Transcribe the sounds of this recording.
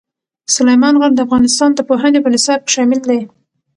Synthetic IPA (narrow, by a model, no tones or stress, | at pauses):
sʊlajmɑnɣaɾd̪əafɣɑnɪst̪ɑnd̪əpoɦanepənɪsɑb̚ʃɑmɪld̪aj